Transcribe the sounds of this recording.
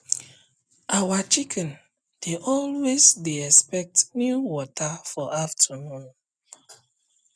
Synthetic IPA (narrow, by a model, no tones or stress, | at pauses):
ʔawat͡ʃikʰɛ̃n | d̥eʔɔlwezdeɛspɛk̚tnjuwɔtʰafɔʔaftʰunɔ̃n